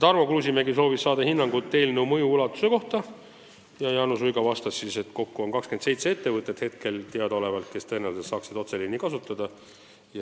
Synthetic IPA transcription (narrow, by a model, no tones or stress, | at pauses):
t̪ɑrmo̞kluːsimeɡiso̞ːvisːɑːd̪̥ɑhinːɑŋɡut̪ːe̞ːlneumɤ̞juulɑt̪ːˑu̥se̞ko̞ht̪ɑ | jɑjɑːnusujɡɑvɑst̪ɑssise̞t̪ko̞kːuo̞nkɑkskend̪se̞jt̪see̞t̪ːe̞vɤt̪ːˑet̪he̞t̪̚ke̞lt̪eɑd̪o̞le̞vɑlt̪̚ke̞st̪ɤ̞enelsesɑːksid̪o̞t̪se̞linːikɑsut̪ːˑɑd̪̥ɑ | jɑ